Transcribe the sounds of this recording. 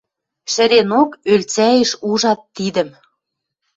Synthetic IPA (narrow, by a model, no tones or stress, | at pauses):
ʃə̆ɾenokølt͡sæjĕʃuʒɑt̪ːid̪ə̆m